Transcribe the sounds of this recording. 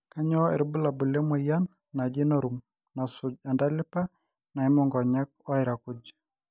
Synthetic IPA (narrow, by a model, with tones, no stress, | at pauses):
ka˦ɲɔ˦ḛ˨ɾbu˦la˨bu˨lɛ˦mɔ˨ja˦nː | a˨d͡ʒɪ˦no˦ɾu˨m | na˨sʊ˨d͡ʒa˨nda˦lɪ˦pa˦ | na˨i˦mɔ˦ŋɡɔ˨ɲa˦k̚ɔ˦ɪ˨ɾa˨kʊ˦d͡ʒ